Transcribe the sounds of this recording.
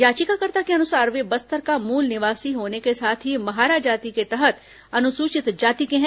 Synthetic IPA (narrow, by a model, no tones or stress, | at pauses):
jaːt͡ʃikakɐɾt̪akeɐnʊsaːɾʋebɐst̪əɾkamuːlnɪʋaːsiɦoːnekesaːt̪ʰɦimɐɦaːɾaːd͡ʒaːt̪iket̪ɛɦət̪ | ɐnʊsuːt͡ʃɪt̪d͡ʒaːt̪ikẽɦɛ̃